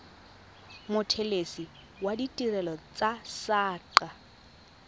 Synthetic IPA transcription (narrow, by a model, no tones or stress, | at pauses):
mʊtʰelesi | waditʼirɛlɔt͡sʼasaːǃa